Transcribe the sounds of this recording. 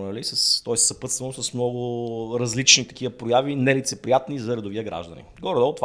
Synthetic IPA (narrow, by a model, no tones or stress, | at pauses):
nɐlisɐst̪ɔɛssɐpɤt̪st̪vɐnosɐsmnɔɡʊɾɐzlit͡ʃnit̪ɐ̥k̟iəpɾojavinɛlit̪sɛpɾijat̪nizɐɾɐd̪oviəɡɾa̰ʒd̪ɐ̰nḭɡɔɾd̪ɔt̪v